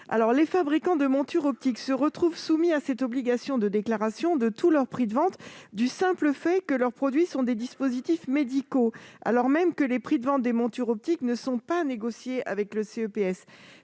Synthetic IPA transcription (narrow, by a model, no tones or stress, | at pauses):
a̰lɔʁlefabʁikɑ̃d̪əmɔ̃t̪yʁɔp̚t̪iksəʁət̪χuvsumiasɛt̪ɔbliɡasjɔ̃d̪əd̪eklaʁasjɔ̃d̪ət̪ulœʁpχid̪əvɑ̃t̪d̪ysɛ̃pləfɛkəlœʁpχɔd̪ɥisɔ̃d̪ed̪ispozit̪ifmed̪ikoa̰lɔʁmɛmkəlepχid̪əvɑ̃t̪̚d̪emɔ̃t̪yʁɔp̚t̪iknəsɔ̃paneɡɔsjeʔa̰vɛkləseøpeɛs